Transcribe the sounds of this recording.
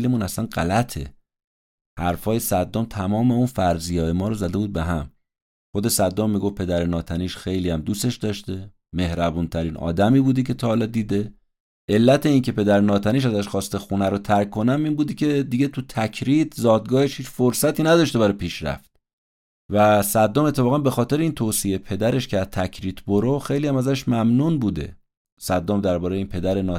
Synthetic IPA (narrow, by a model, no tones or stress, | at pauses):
lemuːnæslænɢæ̰læt̪ʰe̞̰ | hæɾfɒːjesæd̪ːomt̪ʰæmɒːme̞unfæɾzijɒːjemɒːɾozæd̪e̞buːd̪̚beɦæm | xo̞d̪esæd̪ːomːiːɡofpʰe̞d̪æɾenɒːt̪ʰæniːʃxe̞jliːhæmd̪uːst̪e̞ʃd̪ɒʃt̪e̞ | me̞hɾæbuːnt̪ʰæɾiːnʔɒ̰ːd̪æmiːbuːd̪ecʰe̞t̪ʰɒːhɒlɒːd̪iːd̪e̞ | ʔelːæt̪ʰe̞iŋcʰe̞pe̞d̪æɾenɒːt̪ʰæniːʃ̬æzæʃxɒːst̪exunæɾot̪ʰæɾkkʰːo̞næmiːnbuːd̪ecʰe̞d̪iɟe̞t̪ʰut̪ʰæcʰɾit̪ʰzɒːd̪̚ɡɒːhe̞ʃhiːt͡ʃfoɾsæt̪ʰiːnæd̪ɒʃt̪ebæɾɒjpʰiːʃɾæ̰ft̪̚ | væsæd̪ːomet̪ʰːefɒːɣæmbe̞xɒːt̪e̞ɾeiːnt̪ʰoːsiepʰe̞d̪æɾeʃcʰeæt̪ʰæcʰɾiːt̪ʰboɾoxejlijæmæzæʃmæmnuːnbuːd̪e̞̰ | sæd̪ːomd̪æɾbɒːɾejeiːnpʰe̞d̪æɾenɒː